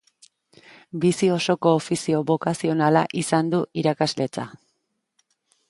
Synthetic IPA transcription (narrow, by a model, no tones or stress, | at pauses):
bisio̞so̞ko̞ːfisio̞βo̞kasio̞nalaʔisand̪uʔiɾakazle̞t͡sa̰